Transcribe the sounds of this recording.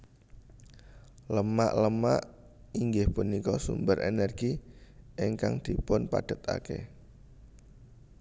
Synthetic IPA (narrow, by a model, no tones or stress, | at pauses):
ləmaʔləmaʔ | iŋɡɪhpunikɔsṵmbəɾʔḛnɛrɡ̥iʔeŋkaŋd̪̥i̤pʊnpad̥ə̤t̪a̰kḛ